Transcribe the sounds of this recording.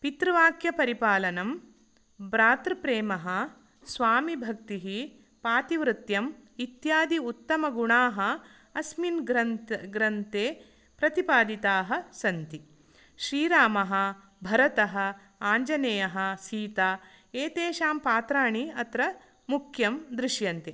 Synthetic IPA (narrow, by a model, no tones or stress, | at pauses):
pit̪ɾɐʋaːkjɐpɐɾipaːlɐnɐm | bɾaːt̪ɾpɾeːmɐɦɐ | sʋaːmibʱɐk̚t̪iɦi | paːt̪iʋɾut̪jɐmit̪jaːd̪iut̪ːɐmɐɡuɳaːɦɐ̆ | ɐsminɡɾɐnɡɾɐnt̪eː | pɾɐt̪ipaːd̪it̪aːɦɐ̆sɐnt̪i | ʃɾiːɾaːmɐɦɐ̆ | bʱɐɾɐt̪ɐɦɐ̆ | aːɲd͡ʒɐneːjɐɦɐ̆siːt̪aː | eːt̪eːʃaːmpaːt̪ɾaːɳiɐt̪ɾɐ | mukʰjɐmd̪ɾiʃjɐnt̪e